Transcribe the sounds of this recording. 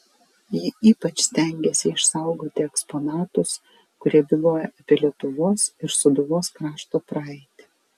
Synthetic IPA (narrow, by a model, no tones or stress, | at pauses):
jiʔiːpɐt͡ʃʲsʲt̪ʲɛˑŋʲɡʲɛsʲɪɪʃsɑˑʊɡoːt̪ʲɪɛkspɔnɑːt̪ʊs | kʊɾʲiɛbʲɪlˠoːjɛʔɐpʲeɛlʲiɛt̪ʊʋoɔsɪɾsʊd̪ʊʋoːskɾɑːʃt̪oːpɾɐɛɪt̪ʲɪ̥